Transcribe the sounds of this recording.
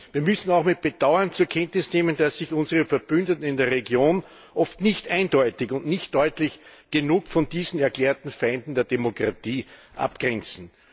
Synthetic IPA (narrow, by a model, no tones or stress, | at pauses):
viːɐmʏsn̩aʊxmɪt̚b̥əd̥aʊɐnt͡suːɐkʰɛntnɪsneːmənd̥asːɪçʊnzəʁəfɛɐb̥ʏndətn̩ɪndeːɐʁeɡjoːn | ʔɔftnɪçtʔæɪndɔʏtɪçʊntnɪçtd̥ɔʏtlɪçɡ̥ənuːkfɔnd̥iːzn̩ɛɐkleːɐtn̩fãɪndn̩deːɐdemokʁatiːʔa̰pɡ̥ʁɛnt͡sn̩